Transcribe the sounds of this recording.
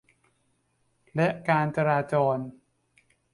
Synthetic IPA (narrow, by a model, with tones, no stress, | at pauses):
lɛ˦˥ʔkaː˧nt͡ɕa˧ɾaː˧t͡ɕɔː˧n